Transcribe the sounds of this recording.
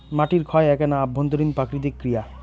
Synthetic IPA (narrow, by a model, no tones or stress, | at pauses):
maʈiɾkʰɔeɛkenaːbʱːond̪oɾinpɾakɾid̪ikːɾija